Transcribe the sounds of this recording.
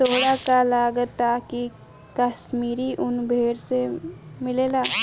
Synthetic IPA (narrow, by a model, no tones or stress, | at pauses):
t̪oːɽakalaːɡət̪ːaki | kaʃmiːɾiʔʊnbʱeːɾsemɪleːlaː